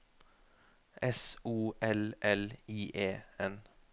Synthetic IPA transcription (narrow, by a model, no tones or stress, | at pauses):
ɛsuːʔɛlʔɛliːʔeːɛn